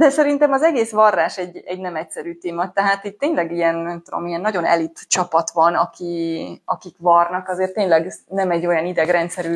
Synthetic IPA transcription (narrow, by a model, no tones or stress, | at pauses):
d̪ɛsɛɾint̪ɛmɒzɛɡeːsʋɒrːaːʃɛɟːɛɟnɛmɛcsɛɾyːt̪eːmɒt̪ɛɦaːt̪it̪ːeːɲlɛɡijɛnnɛmt̪ːod̪o̞̰miɛnːɒɟo̞nɛ̰lit̪t͡ʃɒpɒt̪ʋɒnɒkiɒkikʋɒrnɒkɒzeːrt̪ːeːɲlɛɡnɛmɛɟːo̞jɒnid̪ɛɡrɛnt̪sɛɾyː